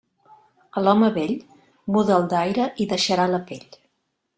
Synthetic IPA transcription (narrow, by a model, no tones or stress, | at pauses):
əlɔməβeʎ | buðəːlˠd̪ajɾəʔiðəʃəɾaləpeʎ